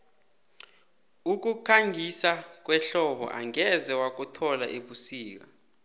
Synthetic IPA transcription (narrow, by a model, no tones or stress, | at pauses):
uk̬ukʰaŋʱisak̬ʼwɛɬɔɓɔ̰ʔa̰ŋɛzɛwak̬ʼutʰɔla̰ʔeɓusiːk̬a